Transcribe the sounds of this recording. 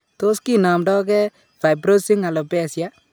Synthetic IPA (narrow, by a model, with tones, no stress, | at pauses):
to˦ski˦na˨mdɔ˦kɛ˦ | fa˨jbɾo˦si˦ŋa˨lo˨pɛ˦˨sja˦